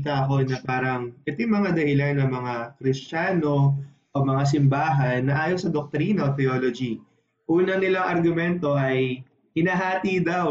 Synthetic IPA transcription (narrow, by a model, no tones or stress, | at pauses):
t̪ɐʔɐko̞nɐpaːɾɐŋʔɛt̪ɪjmɐŋad̪ɐhɪlanːɐŋmɐŋakɾɪst͡ʃaːno̞ | ʔomɐŋas̬ɪmbaːɦɐnːɐʔaːjosɐd̪ok̚t̪ɾiːnɐot̪ɛolod͡ʒi | ʔuːnɐnɪlaŋʔɐɾɡʊmɛnt̪o̞ʔɐj | hɪnaːɦaːt̪iːd̪aw